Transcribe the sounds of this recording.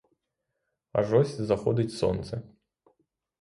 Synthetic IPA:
a̰ʐɔsʲzɐxɔd̪ʲɐt͡sʲsɔ̰nt̪sɐ

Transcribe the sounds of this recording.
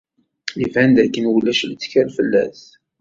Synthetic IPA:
ivænd̪ækːənwəlːæʃlt͡sːkæɾlfəlːæ̰θ

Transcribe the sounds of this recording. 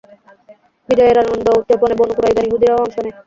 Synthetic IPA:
bid͡ʒɔeɾaond̪out̪d͡ʑoponebonukuɾajɡaniɦud̪iɾaɔŋʃone

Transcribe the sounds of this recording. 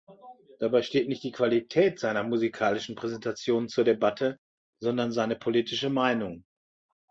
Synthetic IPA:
d̥abaɪʃteːtnɪçt̚d̥iːkv̥alitʰɛːtz̥aɪnɐmuzikʰaːlɪʃn̩pʁ̥ɛzɛntat͡sjoːnnt͡suːɐdebatʰə | zɔndɐnzaɪnəpʰoliːtʰɪʃəmaɪnʊŋ

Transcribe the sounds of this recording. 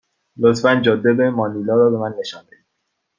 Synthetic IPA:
lot̪fænd͡ʒɒːd̪ːebemɒːnilɒːɾɒːbe̞mænːe̞ʃɒːnd̪ei̥

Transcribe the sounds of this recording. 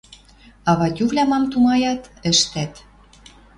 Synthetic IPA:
ɑβɑt̪ʲuvlʲæmɑmt̪umɑjɑt̪ɘ̆ʃt̪æt̪

